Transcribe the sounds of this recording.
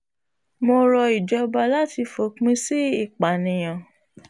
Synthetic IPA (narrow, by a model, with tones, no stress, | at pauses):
mo˧ɾɔ˧i˨d͡ʒɔ˨˧ba˧la˦ti˧fo˨˦k͡pĩ˦si˦i˦˨k͡pa˨nĩ˨j̃ã˨